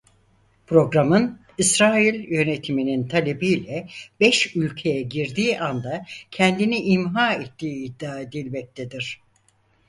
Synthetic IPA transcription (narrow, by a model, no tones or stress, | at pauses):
pʰɾo̞ɡɾamɯn | isɾaːilʲjø̞ne̞t̪ʰiminint̪ʰalʲe̞biːlʲɛbɛʃylʲcʰe̞jɛɟiɾd̪iːʔand̪acʰɛnd̪iniʔimɦaːet̪ʰːiːd̪ːaːed̪ilʲbɛc̚t̪ʰed̪iɾ̝̥